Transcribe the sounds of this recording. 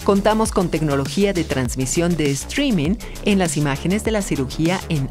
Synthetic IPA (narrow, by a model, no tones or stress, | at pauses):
ko̞nt̪amo̞sko̞nt̪e̞kno̞lo̞xiaðe̞t̪ɾanzmisjo̞nd̪eːst̪ɾimĩŋ | e̞nlasimaxe̞ne̞zðe̞lasiɾuxiaʔen